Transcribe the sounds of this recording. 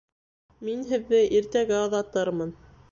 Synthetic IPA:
minɦɘ̆ðːɘʔiɾt̪æɡɘɑðɑt̪ːɑɾmɤn

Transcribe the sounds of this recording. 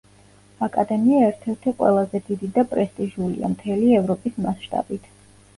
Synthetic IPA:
akʼad̪ɛmiaɛɾt̪ʰɛɾt̪ʰɛqʼwɛ̰lˠazɛd̪id̪id̪apʼɾɛst̪ʼiʒulḭa̰mt̪ʰɛliɛvɾɔpʼismasʃt̪ʼa̰bit̪ʰ

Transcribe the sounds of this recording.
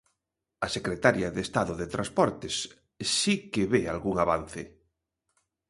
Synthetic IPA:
ɐsekɾet̪aɾjaðest̪aðʊðet̪ɾaspɔɾt̪es | sikeβealɣuŋaβan̟θe

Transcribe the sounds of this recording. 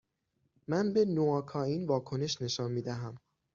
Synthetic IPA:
mænbe̞noɒːkʰɒːiːnvɒːkʰo̞ne̞ʃne̞ʃɒːnmiːd̪æɦæm

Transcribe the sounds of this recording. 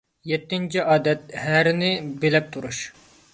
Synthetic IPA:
jɛt̪ːɪnt͡ʃʰiʔɑːd̪ɛt̪̚hæɾɪnɪbelɛp̚t̪ʰuɾuʃ

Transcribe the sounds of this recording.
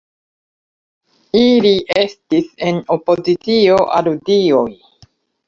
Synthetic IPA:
iliʔe̞stise̞no̞po̞zit͡sio̞ʔaɾudio̞j

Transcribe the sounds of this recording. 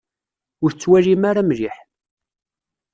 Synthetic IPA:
ʊɾt͡sːwælimaɾamɾiħ

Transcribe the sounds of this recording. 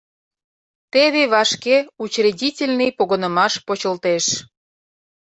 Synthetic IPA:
t̪eβeβɑʃkeut͡ɕredʲitʲelʲnɨjpoɣənə̆mɑʃpot͡ɕə̆lt̪eʃ

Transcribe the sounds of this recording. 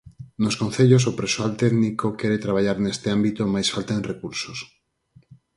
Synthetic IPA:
noskon̟θeʎos̬opɾesoalt̪ɛðnikokɛɾet̪ɾaβ̞aʎaɾnest̪eambit̪omajsfalt̪aenrekuɾsos

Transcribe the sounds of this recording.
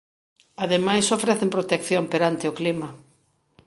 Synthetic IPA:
aðemajsofɾɛθempɾot̪ekθjompeɾant̪ɪʊklimɐ

